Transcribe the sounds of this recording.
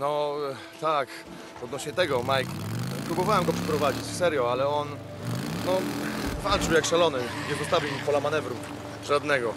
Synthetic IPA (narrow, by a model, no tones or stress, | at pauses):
nɔ | t̪ak | ɔd̪nɔɕɲɛt̪ɛɡɔmajkpɾubɔvawɛmɡɔpʂɛ̥pɾɔvad͡ʑit͡ɕfsɛɾjɔalɛɔn | nɔfalt̪t͡ʂɨwjakʂalɔnɘɲɛpɔst̪avʲiwimpɔlamanɛvɾum | ʐad̪nɛɡɔ